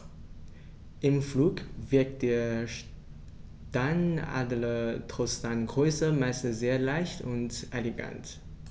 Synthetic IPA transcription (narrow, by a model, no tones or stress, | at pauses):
ʔɪmfluːkv̥ɪɐk̚t̚d̥eːɐʃ | taɪna̰ːdlətʁ̥ostaɪnɡʁøʏsəmaɪstn̩sz̥eːɐlaɪçtʊntʔeleɡa̰nt